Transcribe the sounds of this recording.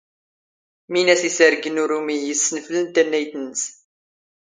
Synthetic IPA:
minæsisəɾɡənuɾumijəsːənəflənt̪ːænːæjθənəs

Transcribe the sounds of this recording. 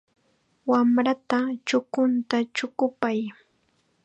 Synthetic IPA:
wamɾat̪at͡ʃʊkʊnt̪at͡ʃʊkʊpaj

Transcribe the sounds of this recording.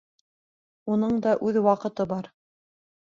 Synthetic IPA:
unɤɴd̪ɑʔʉðwɑqɤ̆t̪ɤbɑɾ

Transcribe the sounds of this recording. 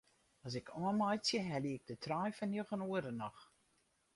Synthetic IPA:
ɔs̬ɪkʰɔəmɔjsjəɦɛliɪɡ̚dətʰrɔjfɔnjəɣənuəɾənɔx

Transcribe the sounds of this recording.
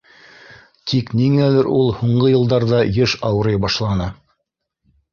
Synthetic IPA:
t̪ʰikniŋælɘɾʔulˠhuɴɢɤjɤ̆lˠd̪ɑɾðɑjɤʃɑwɤ̆ɾɤjbɑʃlˠɑnɤ

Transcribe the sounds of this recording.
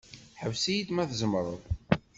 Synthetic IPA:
ħəwsijid̪mæθzəmɾˤə̰ðˤ

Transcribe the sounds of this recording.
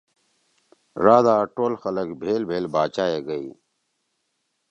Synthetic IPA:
ɾaːd̪aːʈoːlxɐləkbʱeːlbʱeːlbaːt͡ɕaːeɡɐiː

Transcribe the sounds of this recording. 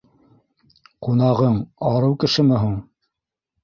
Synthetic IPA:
qunɑʁɤɴɑɾɤwkɘ̆ʃɘmɘ̆ɦuɴ

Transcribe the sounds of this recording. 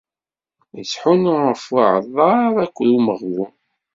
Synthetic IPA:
əsħunʊʁəfʊʕəðˤɑɾˤækʷːɾuməʁwu

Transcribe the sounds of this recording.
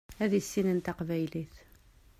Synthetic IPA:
æðəsːinənt̪æqvæjliθ

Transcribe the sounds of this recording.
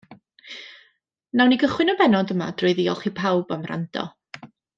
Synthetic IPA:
nawniɡəχwɪnɔbɛnɔdəma̰d̥rʊɨðiːɔlˠχipʰawbamra̰ndɔ̰

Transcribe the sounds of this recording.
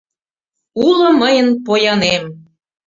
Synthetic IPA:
ulŏməjənpojɑnem

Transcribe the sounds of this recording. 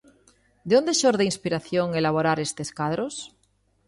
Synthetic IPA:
d̪eond̪eʃoɾðeinspiɾaθjoŋelaβ̞oɾaɾest̪eskað̞ɾos

